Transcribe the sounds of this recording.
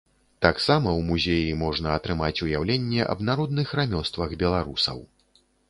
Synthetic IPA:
t̪aksamɐwmuzʲejimɔʐnɐɐt̪ɾɨmat͡sʲujawlʲenʲːɛʔɐ̰bnaɾɔd̪nɨxramʲɔst̪vɐɣbʲɛlˠaɾusɐ̰w

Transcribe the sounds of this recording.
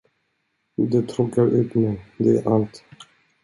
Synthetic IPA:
d̪ɛt̪ʰɾɔkːaɾʔʉːt̪mɛjd̪ɛæ̰ʔalt̪

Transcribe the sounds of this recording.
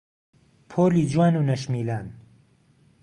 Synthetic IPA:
pʰoːliːd͡ʒwaːnuːnɐʃmiːlaːn

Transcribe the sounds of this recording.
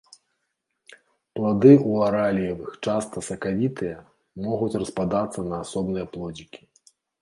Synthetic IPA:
plˠad̪ɨuaɾalʲijɐvɨxt͡ʂast̪ɐsɐkavʲit̪ʰɨjɐ | mɔɣut͡sʲrɐspad̪at̪sːɐnɐːsɔbnɨjɐplˠɔd͡zʲikʲi̥

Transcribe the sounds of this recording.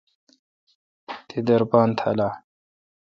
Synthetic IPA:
t̪ʰid̪ɐɾpaːnt̪ʰa̰la

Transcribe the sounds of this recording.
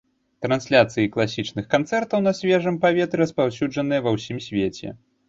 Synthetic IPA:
t̪ɾɐnsʲlʲat̪sɨjiklˠasʲit͡ʂnɨxkant̪sɛrt̪ɐwnɐsʲvʲɛʐɨmpavʲɛt̪ɾɨɐspawsʲud͡ʐɐn̪ɨjɐvɐwsʲimsʲvʲet͡sʲɛ̰

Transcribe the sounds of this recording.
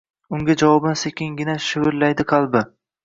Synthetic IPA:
ʊŋɡʲad͡ʒavɒbɪnsekʲɪŋɡʲɪnaʃɪwɪɾlajd̪ɪqʰɑlˠbɪ

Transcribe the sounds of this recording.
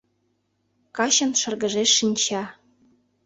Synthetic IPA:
kɑɕɤ̆nʃɤ̆rɡə̆ʒeʃːinʲt͡ɕɑ

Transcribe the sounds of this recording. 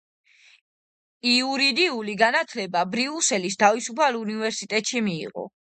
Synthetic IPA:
iuɾid̪iuliɡanat̪ʰlɛbabɾiusɛlist̪ʰavisupʰalunivɛɾsit̪ʼɛt̪ʼʃimḭːʁɔ̰

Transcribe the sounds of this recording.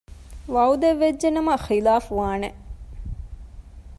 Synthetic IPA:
ʋɐwd̪eʋːed͡ʒd͡ʒenɐmɐxilaːfuʋaːne

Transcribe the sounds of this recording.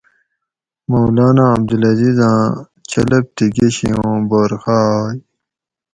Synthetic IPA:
mowlaːnãːb̚d̪ulɐzizãː | t͡ɕɐlɐp̚t̪iɡeɕijõːboɾxaj

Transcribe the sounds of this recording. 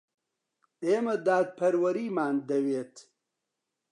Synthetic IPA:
eːmɐd̪aːd̪̚pʰɐɾwɐɾiːmaːnd̪ɐweːt̪

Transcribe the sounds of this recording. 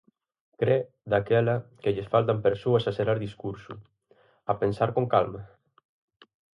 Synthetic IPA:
kɾɛ | d̪akɛlakeʎesfalt̪ampeɾsuasaseɾaɾðiskuɾsu | apensaɾkoŋkalma

